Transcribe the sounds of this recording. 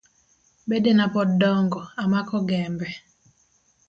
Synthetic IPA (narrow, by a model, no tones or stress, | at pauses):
bedenapɔdɔŋɡɔamakɔɡɛmbɛ